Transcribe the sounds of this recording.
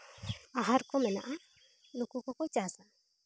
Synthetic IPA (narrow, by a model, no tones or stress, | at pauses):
aɦaɾkomɛna̰ʔa | lokukokojt͡ʃasa